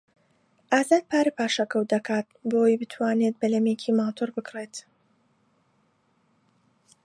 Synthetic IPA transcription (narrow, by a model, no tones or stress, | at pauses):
ʔaːzaːd̪̚pʰaːɾɨpaːʃɐkɐwd̪ɐkʰaːt̪̚boːwjbɨt̪ʰwaːnet̪̚bɐlɐmeːcʰimaːt̪ʰoɾbɨkret̪